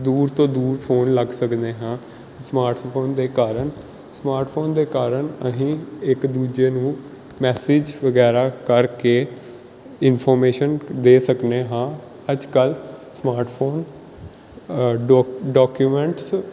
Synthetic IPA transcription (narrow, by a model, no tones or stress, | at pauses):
d̪uːɾt̪õːd̪uːɾpʰoːnləɡsəkd̪eːɦãː | smaːɾʈpʰoːnd̪eːkaːɾən | smaːɾʈpʰoːnd̪eːkaːɾənəɦĩːɪkd̪uːd͡ʒeːnũː | mɛːsɪd͡ʒʋəɡɛːɾaːkəɾkeː | ɪnpʰɔːɾmeːʃənd̪eːsəkneːɦãː | əd͡ʒkəlsmaːɾʈpʰoːn | ɖɔːkjuːmɛ̃ːɳʈs